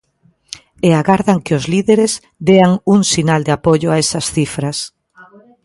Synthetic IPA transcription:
eaɣaɾðaŋkɪozliðeɾez | d̪eaŋuŋsinald̪eapoʎʊaesɐsθifɾɐs

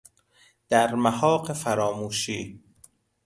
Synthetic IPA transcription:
d̪̥æɾmæhɒːqefæɾɒːmuːʃiː

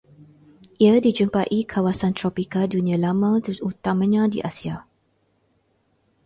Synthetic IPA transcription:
ʔiədid͡ʒumpaʔikʰawasãnt̪ɹɔpikadunĩãlamãt̪uut̪amə̃ɲãdḭʔasia

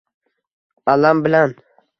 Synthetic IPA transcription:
alambɪlan

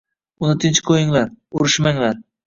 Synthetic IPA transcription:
ʊnɪt̪ʰɪnt͡ʃkʰojɪŋlaɾʊɾɪʃmaŋlaɾ

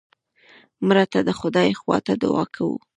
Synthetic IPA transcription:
mɾat̪ad̪əxʊd̪ɑjxwɑ̰t̪ad̪ʊ̰wɑ̰kʰawṵ

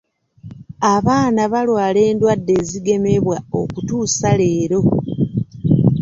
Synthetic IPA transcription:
aβaːnaβalwaːle̞ːndwadːe̞ːziɡe̞me̞βwao̞̰kutuːsale̞ːɾo̞

